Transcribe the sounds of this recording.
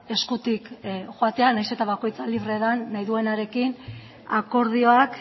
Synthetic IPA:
e̞skut̪ikxoat̪e̞anajse̞t̪aβako̞jt͡saliβ̞re̞ðanːajðue̞naɾe̞kin | ako̞ɾð̞io̞ak

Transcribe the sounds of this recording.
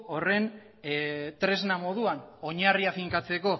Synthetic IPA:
ore̞n | t̪ɾe̞znamo̞ðuano̞ɲariafiŋkat͡se̞ko̞

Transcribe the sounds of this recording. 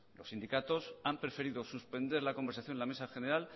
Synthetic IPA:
lo̞sːind̪ikat̪o̞sampɾe̞fe̞ɾiðo̞suspe̞nd̪e̞ɾlako̞mbe̞ɾsaθjo̞nlame̞saxe̞ne̞ɾal

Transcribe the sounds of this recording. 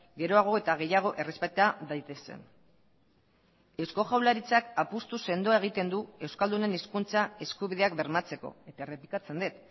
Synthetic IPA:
ɡe̞ɾo̞aɣ̞o̞e̞t̪aɣ̞e̞jaɣ̞o̞ʔe̞re̞spet̪eaðajt̪e̞se̞̰n | e̞wsko̞ʝawlaɾit͡sakapust̪use̞nd̪oae̞ɣit̪e̞nd̪ue̞wskald̪une̞niskunt͡sae̞skuβiðe̞akbe̞ɾmat͡se̞ko̞̰e̞t̪aere̞plikat͡se̞nd̪et̪

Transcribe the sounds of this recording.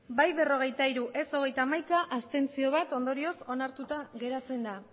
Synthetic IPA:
bajβe̞ro̞ɣ̞e̞jt̪aiɾuʔe̞so̞ɣ̞e̞jt̪amajkaʔast̪e̞nt͡sio̞β̞at̪o̞nd̪o̞ɾio̞so̞naɾt̪ut̪aɣe̞ɾat͡se̞nd̪a

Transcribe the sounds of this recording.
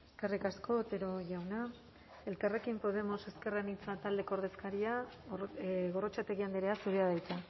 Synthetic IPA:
eskerikasko̞t̪e̞ɾo̞ʝawna | e̞lkare̞kimpo̞ð̞e̞mo̞se̞ske̞ranit͡sat̪ald̪e̞koɾð̞e̞skaɾia | ɣo̞rot͡ʃat̪e̞ɣiand̪eɾeasuɾeað̞ajt͡s̪a

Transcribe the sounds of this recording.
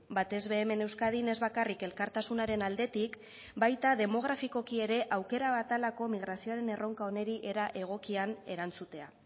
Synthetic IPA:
bat̪e̞zβe̞ːme̞ne̞wskað̞ine̞zβakarike̞lkaɾt̪asunaɾe̞nald̪e̞t̪ik | bajt̪aðe̞mo̞ɣ̞ɾafiko̞kie̞ɾe̞ʔawke̞ɾaβat̪alako̞miɣ̞ɾasio̞aɾe̞ne̞ro̞ŋkao̞ne̞ɾiʔe̞ɾaʔe̞ɣ̞o̞kiane̞ɾant͡sut̪e̞a̰

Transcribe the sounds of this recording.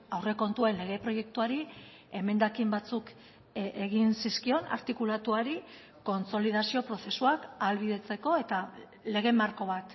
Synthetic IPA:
awre̞ko̞nt̪ue̞nle̞ɣ̞e̞pɾo̞je̞k̚t̪uaɾi | e̞me̞nd̪akimbat͡suk | eɣinsiskio̞na̰ɾt̪ikulat̪uaɾi | ko̞nt͡so̞lið̞asio̞pɾo̞θe̞suakalβiðe̞t͡se̞ko̞e̞t̪a | le̞ɣ̞e̞maɾko̞β̞at̪

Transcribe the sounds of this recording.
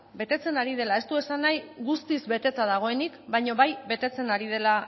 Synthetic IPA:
be̞t̪e̞t͡se̞naɾiðe̞lae̞st̪ue̞sanːajɣust̪izβe̞t̪e̞t̪að̞aɣ̞o̞e̞nikbajɲo̞βajβe̞t̪e̞t͡se̞naɾið̞e̞la

